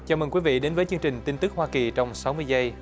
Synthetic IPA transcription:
t͡ɕaː˨˩məː˨˩kwi˨˦vḭ˧˨ɗe˨˦nvəː˨˦jt͡ɕɨ˧əŋt͡ɕï˨˩ŋ̟t̪i˧nt̪ɨ˦˥k̚hwaː˧ki˨˩t͡ɕɔ˧wŋ͡msa˨˦wmɨ˧əjzə˧j

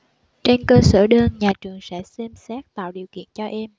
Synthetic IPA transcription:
t͡ɕe˧nkəː˧səː˧˩ɗəː˧nɲaː˨˩t͡ɕɨ˨˩əŋsɛ̰˧˥sɛ˧msɛː˦˥k̚t̪a̰ː˧˨wɗi˨˩əwkḭ˧˨ənt͡ɕɔ˧ʔɛ˧m

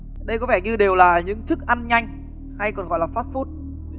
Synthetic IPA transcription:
ɗə˧jkɔ˨˦vɛ˧˩ɲɨ˧ɗe˨˩wlaː˨˩ɲɨ̰˧˥ŋt̪ʰɨ˦˥k̚ʔa˧nɲa˧jŋ̟ | ha˧jkɔ˨˩nɣɔ̰˧˨jlaː˨˩faː˦˥t̚fu˦˥t̚

